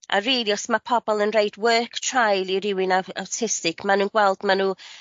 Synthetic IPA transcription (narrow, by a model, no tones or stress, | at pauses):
a̰reːljɔsmapʰɔbɔlˠənrejdwɜːktʰr̥ajlˠirɪwɪnaawtʰɪstɪkʰmanuːnɡwɛlˠd̥manuː